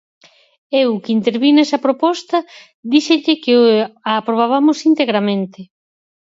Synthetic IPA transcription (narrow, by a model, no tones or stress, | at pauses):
ewkint̪eɾβinɛsɐpɾopɔst̪ɐ | ðiʃeʎɪkɪaːpɾoβaβamʊsint̪eɣɾamẽnt̪ɪ